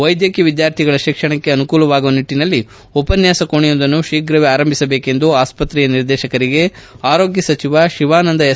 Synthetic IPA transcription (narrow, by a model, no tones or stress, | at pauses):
ʋɐjd̪jɐkjɐʋid̪jaːɾt̪ʰiɡɐɭɐʃikʂɐɳɐkːeɐnukuːlɐʋaːɡuʋɐniʈːinɐlːi | opɐnjaːsɐkoɳijond̪ɐnːuʃiːkɾɐʋeaːɾɐmbʱisɐbeːke̞nd̪uaːspɐt̪ɾiːjɐniɾd̪ɛːʃɐkɐɾiɡe̞ | aːɾo̞ːɡjɐsɐt͡ʃiʋaʃiʋaːnɐnd̪ɐjɐ